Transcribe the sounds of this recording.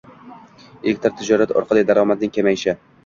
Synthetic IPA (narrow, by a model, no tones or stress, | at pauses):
ekʲt̪ʰaɾt̪ʰɪd͡ʒɒɾat̪ɒ̰ɾqʰɑd̪ajd̪aɾɒmat̪d̪̚nɪŋʲkʲʰemajɪʃɪ